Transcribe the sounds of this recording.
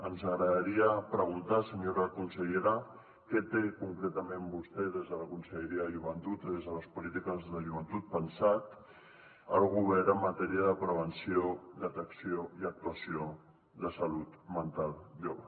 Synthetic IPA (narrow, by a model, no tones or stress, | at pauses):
ənzəɣɾəðaɾiəpɾəɣ̞unt̪asəɲoɾəkunsəʎeɾa | kɛt̪ekuŋkɾet̪əmẽmbust̪ɛðezðələkunsəʎəɾiəðəʒuβənt̪ut̪ðezðələspulit̪ikəzðəʒuβənt̪ut̪̚pənsat̪ | əlˠɣuβɛɾəmːət̪ɛɾiəðəpɾəβ̞ənsiod̪ət̪əksioiək̚t̪uəsio | ðəsalut̪mənt̪alˠʒoβə